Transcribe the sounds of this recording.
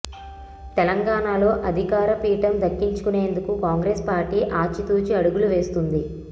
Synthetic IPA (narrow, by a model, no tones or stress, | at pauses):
t̪ɛlɐŋɡaːɳaːlo̞ːʔɐd̪ʱikaːɾɐpiːʈɐmd̪ɐkːiɲt͡ʃu̥kune̞ːnd̪ukukaːŋɡɾeːspaːɾʈiːʔaːt͡ʃːit̪uːt͡ʃiɐɽuɡuluʋe̞ːst̪und̪i